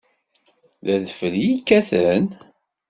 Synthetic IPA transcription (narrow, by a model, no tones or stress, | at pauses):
ðæðəfəljikːæθən